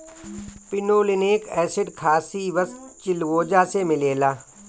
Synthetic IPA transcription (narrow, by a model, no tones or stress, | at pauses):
pɪnoːlɪneːkɛːsɪɖkʰaːsiʋəst̪t͡ʃɪlwoːd͡ʒaːsemɪleːlaː